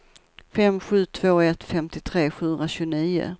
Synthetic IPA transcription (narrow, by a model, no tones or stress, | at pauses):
fɛmɧʉ̟ːt̪ʰv̥oːɛt̪fɛmt̪ɪt̪ʰɾeːɧʉ̟ːnɾaɕʉɡʊniːʊ̰